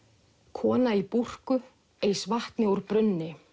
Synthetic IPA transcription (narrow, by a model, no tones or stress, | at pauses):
kʰɔːnaipur̥kʏ | eːjsvaht̪nɪuɾpɾʏnːɪ